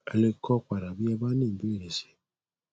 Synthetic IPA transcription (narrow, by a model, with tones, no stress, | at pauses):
e˧le˧kɔ˦kʷa˨ɾa˨bi˦ɛ˧ba˦nĩ˦˨be˦˨ɾe˨se̥˨